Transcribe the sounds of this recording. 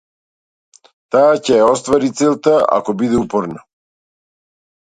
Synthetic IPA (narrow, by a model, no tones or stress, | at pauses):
t̪aːcɛjaɔst̪vaɾit̪silˠt̪aa̰kɔbid̪ɛupɔɾna